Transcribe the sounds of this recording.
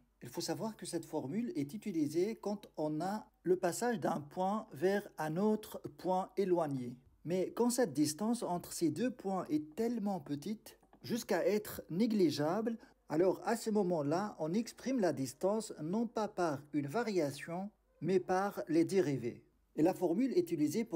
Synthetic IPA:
ilfosavwaʁkəsɛt̪fɔʁmylɛt̪yt̪ilizekɑ̃t̪ɔ̃na | ləpasaʒd̪ɛ̃pwɛ̃vɛʁɛ̃not̪χpwɛ̃elwaɲe | mɛkɑ̃sɛt̪̚d̪ist̪ɑ̃sɑ̃t̪χsed̪øpwɛ̃ʔɛt̪ɛlmɑ̃pət̪it̪ | ʒyskaɛt̪χneɡliʒabl | a̰lɔːʁasəmɔmɑ̃laʔɔ̃nɛkspχimlad̪ist̪ɑ̃snɔ̃papaʁynvaʁjasjɔ̃ | mɛpaʁled̪eʁivḛ | elafɔʁmylɛt̪ilize

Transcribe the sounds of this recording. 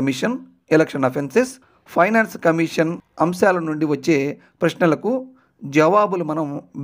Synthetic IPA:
ɐmiʂɐn | elekʂɐnɐpʰenses | pʰɐjnaːnskɐmiːʂɐnɐmʃaːlɐnuɳɖiʋɐt͡ʃːe̞ː | pɾɐʃnɐlɐku | d͡ʒɐʋaːbulumɐnɐm

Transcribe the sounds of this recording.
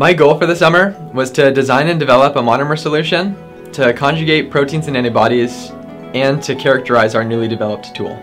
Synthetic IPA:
maɪɡoʊlˠfə˞ðɨsʌmə˞ | wʌz̥tʰɨdɨzãɪ̃nɨ̃ndɨvɛlˠəpə̃mɑnəmə˞səlʉʃɨ̃n | tʰɨkʰɑ̃nd͡ʒɨɡeɪt̚pʰɹ̥oʊtʰĩnzɨ̃nɛñibɑɾiz̥ | ɨ̃ntʰɨkʰɛɹɨk̚tə˞aɪzaʊə˞nʉlˠidɨvɛlˠəp̚tʰṵlˠ

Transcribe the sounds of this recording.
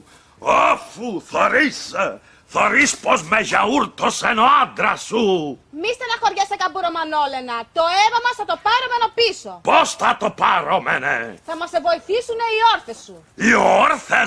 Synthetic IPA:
ofuθoɾis | θoɾispozmeʝɐuɾt̪osenoand̪ɾɐsumist̪enɐxo̞ɾʝesekɐbuɾomɐno̞lenɐt̪oevɐmɐsθɐt̪o̞pɐɾomeno̞pisoposθɐt̪opɐɾomenḛθɐmɐsevo̞iθisune̞ioɾθesːu | ioɾθe

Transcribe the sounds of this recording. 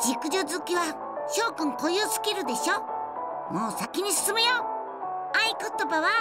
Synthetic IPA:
d͡ʑikɯ̟ʑo̞zɨkʲiβa | ɕo̞ːkɯ̃ŋko̞josɨ̥kʲiɾɯ̟d̪e̞ɕo̞ː | mo̞ːsakʲiɲ̟isɨ̥sɨmejoː | aiko̞t̪o̞baβa

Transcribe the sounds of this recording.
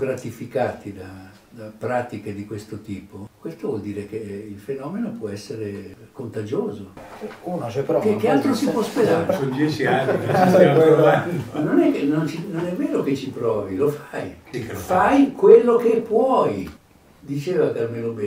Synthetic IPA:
ɡɾat̪ifikaːt̪id̪a | d̪apɾaːt̪iked̪ikwest̪ot̪iːpokwest̪ovwɔld̪iːɾek̟eilfenɔːmenopwɔɛsːeɾekont̪ad͡ʒoːzounɛpɾɔkekːealt̪ɾosipwɔosped̪aɾsod͡ʒɛsiaŋkessɛeanonɛknont͡ʃinonɛmːeːloket͡ʃːipɾɔːvilofajfajkwelːokepːwɔj | d̪it͡ʃeːvakarmelobɛ

